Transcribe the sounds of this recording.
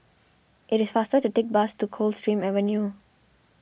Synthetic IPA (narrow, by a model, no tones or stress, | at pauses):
ʔɪʈɪz̥faːsʈəʈuʈek̚basʈukʰoːlsʈɾĩːmɛʋənjuː